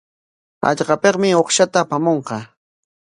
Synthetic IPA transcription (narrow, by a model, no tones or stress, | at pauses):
a̰ʎqɑpeqmɪoχʃat̪aːpamoɴqɑ